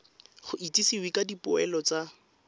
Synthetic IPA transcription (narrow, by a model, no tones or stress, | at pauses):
χʊʔitisiwikadipʊɛlɔt͡sa